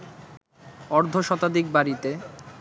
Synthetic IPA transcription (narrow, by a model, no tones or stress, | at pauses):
ɔɾd̪ʱoʃɔt̪ad̪ik̚baɾit̪e